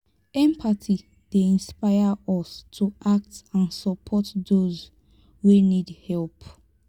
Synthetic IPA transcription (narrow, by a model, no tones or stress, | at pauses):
ɛ̃mpʰatʰi | d̥eĩnspaɪaɔstʰuʔak̚tãnsɔpʰɔtdoz | wenidhɛlp